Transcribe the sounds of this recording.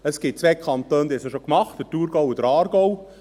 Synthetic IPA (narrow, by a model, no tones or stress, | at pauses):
əsɡ̥ɪt̚t͡sʋɛkʰɑnt̪øːnd̪isəʃokmɑχtdətuːɾɡɔwud̪əɾɑːɾɡɔw